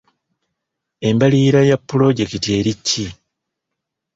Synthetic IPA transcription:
e̞mbaliːɾajapːulo̞ɟe̞kitie̞ːɾicːi

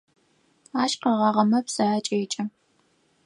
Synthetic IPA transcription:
aːʃqɐʁɑʁɐmɐpsɐaːt͡ʃʼeːt͡ʃʼɐ

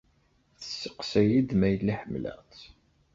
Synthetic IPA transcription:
θə̥sːəqsæjid̪mæjəlːiħəmlæ̰t͡s

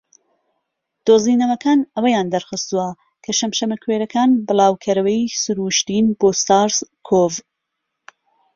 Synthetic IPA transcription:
d̪̥oːziːnɐwɐkʰaːnɐwɐjaːnd̪ɐɾxɨst̪uɐ | kʰɐʃɐmʃɐmɐkʰweːɾɐkʰaːnbɨlˠɑːwkʰɐɾɐwɐjisɨɾuʃt̪inboːst̪aɾskʰov

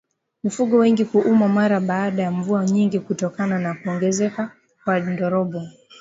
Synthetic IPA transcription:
mifuɠɔwɛŋɡikuʔumamaɾaɓaːɗajaɱvuaɲiŋɡikutɔkananakuɔŋɡɛzɛka | kwandɔɾɔɓɔ

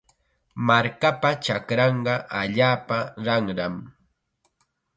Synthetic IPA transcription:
maɾkapat͡ʃakɾɑɴɢɑʔaʎaːpaɾɑŋɾam

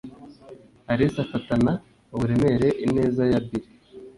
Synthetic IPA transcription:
haɾisafatana | oβuɾe̞me̞ɾe̞ʔine̞ːzajabiɾe

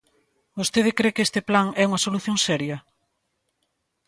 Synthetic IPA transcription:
ost̪eðɪkɾekest̪ɪplaŋɛuŋɐsoluθjoŋsɛɾjɐ

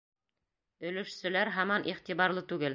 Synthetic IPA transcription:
ɵ̆lɘ̆ʃsɘ̆læɾɦɑmɑnʔiχt̪iβɑɾlˠɤt̪ʉɡɘl

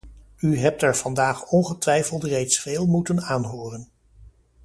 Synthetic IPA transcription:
yɦɛp̚tɛɹv̥ɑndaːχɔnχətʋɛjfəlˠtrejtsfeːlˠmutənaːnɦoːrən

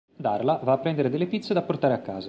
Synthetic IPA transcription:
d̪arlavaːpːɾɛnd̪eɾed̪elːepit̪sed̪apːort̪aːɾeakːa̰ːza

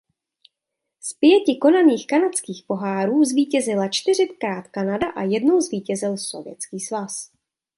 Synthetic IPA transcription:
spɪjɛcɪko̞naniːxkanat͡skiːxpo̞ɦaːɾuːzviːcɛzɪlat͡ʃt̪ɪr̝ɪtkɾaːt̪kanadaʔajɛdno̞wzviːcɛzɪlso̞̰vjɛ̰t͡skiːsvas

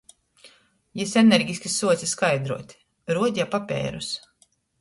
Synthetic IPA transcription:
jɛsɛnɛɾɡʲisʲkʲisuɔt̪sʲiskajd̪ɾuɔt̪ʲ | ɾuɔd̪ʲapapʲɛ̰ːɾus

